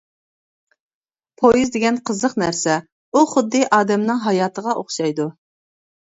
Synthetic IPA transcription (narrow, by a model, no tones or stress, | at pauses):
pʰojizd̪ɪɡʲɛnqʰəzəqnæɾsɛ | uχʊd̪ːɨʔɑːd̪ɛmnɨŋɦɑjɑːt̪ʰəʁɑʔoχʃɑjd̪u